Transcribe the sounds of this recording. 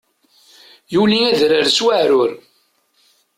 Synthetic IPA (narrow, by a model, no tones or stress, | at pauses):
juliæðɾəɾswaʕɾʊɾ